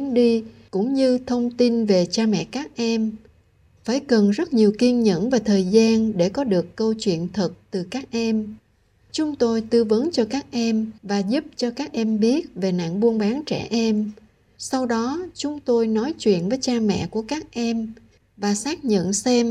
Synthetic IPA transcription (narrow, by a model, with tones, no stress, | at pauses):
ɗi˧ | kʊ̰˧˥ŋ͡mɲɨ˧t̪ʰə˧wŋ͡mt̪i˧nve˨˩t͡ɕaː˧mɛ̰˧˨kaː˦˥k̚ʔɛ˧m | faː˧˩jkə˨˩nzə˦˥t̚ɲi˨˩əwki˧ənɲə̰˧˥nvaː˨˩t̪ʰəː˨˩jzaː˧nɗe˧˩kɔ˨˦ɗɨ˨˩əkːə˧wt͡ɕwḭ˧˨ənt̪ʰə˨˩t̚t̪ɨ˨˩kaː˦˥k̚ʔɛ˧m | t͡ɕʊ˨˦ŋ͡mt̪o˧jt̪ɨ˧və˨˦nt͡ɕɔ˧kaː˦˥k̚ʔɛ˧mvaː˨˩zʊ˦˥p̚t͡ɕɔ˧kaː˦˥k̚ʔɛ˧mɓi˦˥ət̚ve˨˩na̰ː˧˨ŋɓu˧ənɓaː˨˦nt͡ɕɛ̰˧˩ʔɛ˧m | sa˧wɗɔ˨˦t͡ɕʊ˨˦ŋ͡mt̪o˧jnɔ˨˦jt͡ɕwḭ˧˨ənvəː˨˦jt͡ɕaː˧mɛ̰˧˨ku˧˩əkaː˦˥k̚ʔɛ˧m | vaː˨˩saː˦˥k̚ɲə̰˧˨nsɛ˧m